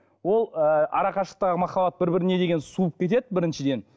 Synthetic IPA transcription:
wo̞lˠəɑ̰ɾɑqɑʃləqt̪ɑʁəmɑχɑbɑt̪̚bɪɾbɪɾɪne̞d̪e̞ɡʲe̞nsuəp̚kʲet̪e̞d̪ɪbɪɾɪnʃɪd̪e̞n

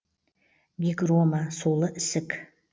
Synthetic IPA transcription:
ɡʲiɡʼromasolɨʔsɨkʰʼ

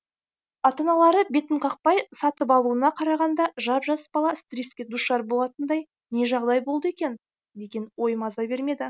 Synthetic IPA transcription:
ɑt̪ɑnɑlˠɑɾəbe̞t̪əɴqʰɑq̚pɑjsɑt̪əp̬ɑlˠuənɑqʰɑɾɑʁɑnd̪ɑʒɑpʒɑsə̥pbɑlˠɑst̪rʲiskʲed̪uʃʃɑɾbo̞lˠɑt̪ənd̪ɑj | ne̞ʒɑʁd̪ɑjbo̞lˠd̪əe̞kʲe̞n | d̪e̞ɡʲe̞nwo̞jəmɑzɑbe̞ɾme̞d̪ɪ

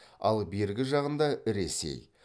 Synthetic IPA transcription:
ɑ̰lˠbe̞ɾɡʲɪʒɑʁənd̪ɑɪɾe̞̰se̞̰j

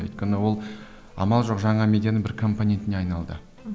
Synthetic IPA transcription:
jt̪kʲenɪwo̞lˠ | ɑ̰mɑlˠʒo̞qʒɑɴɑmʲe̞d̪ʲjanɪbɪɾkʰo̞mponʲe̞nt̪ɪne̞ɑjnɑlˠd̪ə̰

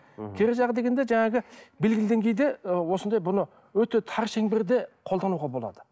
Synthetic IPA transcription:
kʲʰeɾeʒɑʁəd̪e̞ɡʲend̪eʒæŋɑɡʲɪbe̞lɡʲɪlɪd̪e̞ŋkʲʰejd̪e̞wo̞sənd̪ɑjbʊnə | wɵt̪e̞t̪ʰɑɾʃeŋbɪɾd̪e̞qʰo̞lˠd̪ɑnuʁɑbo̞lˠɑ̰d̪ə

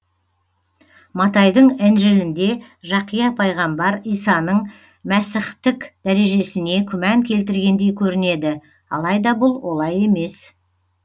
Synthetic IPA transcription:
mɑt̪ɑjd̪əɴænʒɪlɪnd̪e̞ | ʒɑqijɑpʰɑjʁɑmbɑɾijsɑnəɴ | mæsɪχt̪ɪkʲd̪̥æɾe̞ʒe̞sɪne̞kʲʰʏmæŋkʲʰe̞lt̪ɪɾɡʲe̞nd̪e̞jkʲʰɵɾɪne̞d̪ɪ | ɑ̰lˠɑjd̪ɑbʊlˠwo̞lˠɑje̞me̞s

